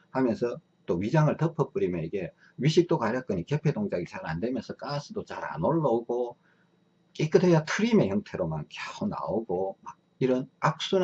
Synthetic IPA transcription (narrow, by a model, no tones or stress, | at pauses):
hamjʌnsʰʌ | t͈oɥid͡ʑaŋɯɭtʌpʰʌp͈ɯɾimjʌniɡe̞ | ɥiɕʰik̚t͈oɡaɾjak͈ɯɲike̞pʰe̞doŋd͡ʑaɡit͡ɕaɾa̰ndemjʌnsʰʌk͈asʰɯdot͡ɕaɾa̰noɭːʌoɡo | k͈ek͈ɯdɦejatʰɯɾime̞jʌŋtʰe̞ɾoma̰nkjauna̰oɡomaɡ̚ | iɾʌnak̚s͈u